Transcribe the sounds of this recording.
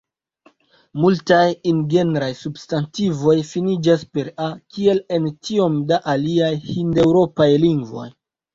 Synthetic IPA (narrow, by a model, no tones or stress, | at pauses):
multajinɡe̞neɾajsubstantivo̞jfinid͡ʒaspe̞ɾakie̞le̞ntio̞mdaʔaliajhinde̞wɾo̞pajliŋɡvo̞̰j